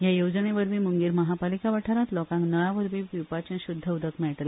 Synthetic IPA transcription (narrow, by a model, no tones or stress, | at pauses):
jajowd͡zəneʋəɾʋiːmuŋɡiːɾməɦapalikaʋaʈʰaɾat̪lɔkãŋknəɭãʋəɾʋiːpiwpat͡ɕẽɕud̪ʱːəud̪əkmɛɭəʈ̪le